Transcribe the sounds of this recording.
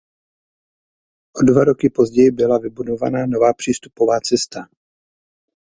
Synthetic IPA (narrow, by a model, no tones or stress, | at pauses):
ʔodvaɾo̞kɪpo̞zɟɛjɪbɪlavɪbudo̞va̰nano̞vaːpr̝̥iːst̪upo̞vaːt͡sɛst̪a